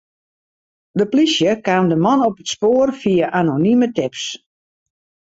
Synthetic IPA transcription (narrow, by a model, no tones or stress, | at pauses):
dəplisjəkaːmdəmɔnɔpətspoːrfiaʔanonimətɪps